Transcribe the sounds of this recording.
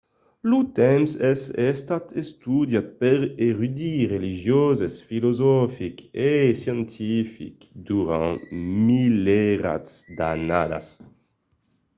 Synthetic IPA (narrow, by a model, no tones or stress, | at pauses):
lut̪ɛmsɛsɛst̪at̪ʰest̪ud̪jat̪̚pɛʁeʁyd̪iʁeliʒjozesfilozɔfikesjɑ̃nt̪ʰifḭkd̪uʁã̰milɛʁa̰tsd̪a̰na̰d̪a̰s